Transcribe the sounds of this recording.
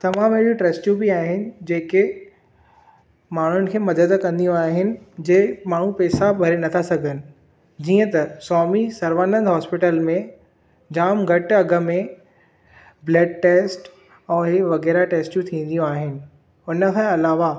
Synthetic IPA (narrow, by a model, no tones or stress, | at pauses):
t̪ɐmaːmɦɪɦijoʈɾeːsʈjũbiaːɦɪnɪ̆d͡ʑeːke | maːɳ̤ʊnɪ̆kʰeːmɐd̪əd̪kɐ̃nd̪ijũaːɦɪnɪ̆d͡ʑemaːɳ̤ũpɛːsabʱɐɾenɐt̪ʰasɐɡʱənɪ̆ | d͡ʑiːə̃t̪ɐsɔːmisɐɾʋaːnə̃nd̪ɦɔːspɪʈəlmẽ | d͡ʑaːmɡʱɐʈɐɡə̆mẽ | bleːɖ̚ʈeːsʈ | ɛ̃ːɦɪʋɐɣɛːɾaʈeːsʈjũt̪ʰĩːn̆d̪ijũaːɦɪnɪ̆ | ʊnə̆kʰãɐlaːʋa